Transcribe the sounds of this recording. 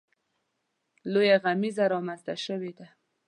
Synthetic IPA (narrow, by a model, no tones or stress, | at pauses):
lojaɣamizaɾɑmanzt̪aʃəwed̪a